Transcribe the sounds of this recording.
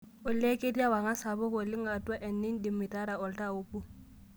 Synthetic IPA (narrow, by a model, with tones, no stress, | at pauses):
ʊ˨le˦ke˦di˦a˦wa˨ŋa˦sa˨bʊ˦kɔ˨lɪ˦ŋa˨ta˦ʔɛ˨nːɪ˦ndi˨mːi˨ta˦ɾa˨ɔ˨lta˦˨ʊ˨pu˦